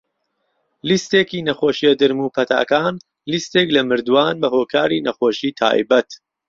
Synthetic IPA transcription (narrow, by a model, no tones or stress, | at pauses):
list̪eːkiːnɐχoːʃiɐd̪ɨɾmuːpʰɐt̪ʰa̰ːkaːn | list̪eːklɐmɨɾd̪waːnbɐɦoːkʰaːɾinɐχoːʃiːt̪ʰa̰ːj̰bɐt̪